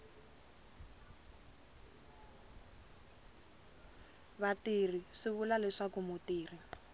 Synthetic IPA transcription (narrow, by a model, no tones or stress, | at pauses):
βatir̤iʂiβulalɛʂakumutiːr̤i